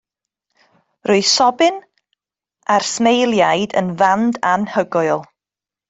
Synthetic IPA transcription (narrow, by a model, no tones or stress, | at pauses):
rʊɨsɔbɪn | arsmejlˠjajdə̰nvandanhəɡʊɨlˠ